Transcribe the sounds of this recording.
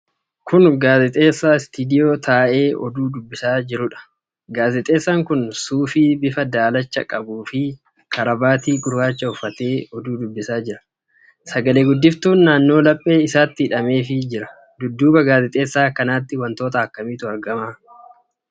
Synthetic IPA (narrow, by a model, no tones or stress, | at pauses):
kʰʊnɡaːzɛt̪ʼe̞ːsːaːst̪id̪ɪjo̞ːt̪ʰaːʔe̞ːɔ̰d̪uːd̪ʊbːɪsaːd͡ʒɪɾʊᶑɐ̥ | ɡaːzɛt̪ʼe̞ːsːaːŋkʊnsuːfiːbɪfɐd̪aːlɐt͡ʃːɐ̰kʼɐbuːfɪ | kʰɐɾɐbaːt̪iːɡʊɾbaːt͡ʃːɐʊfːɐt̪e̞ːɔd̪uːd̪ʊbːɪsaːd͡ʒɪɾɐ̥ | sɐɡɐle̞ːɡʊd̪ːɪft̪uːnːaːnːo̞ːlɐpʼːe̞ːɪsaːt̪ːɪːᶑɐme̞ːfɪd͡ʒɪɾɐ | d̪ʊd̪ːuːbɐɡaːzɪt̪ʼe̞ːsːaːkɐnaːt̪ːɪwɐnt̪o̞ːt̪ɐɐkːɐmiːt̪ʊɐɾɡɐmaː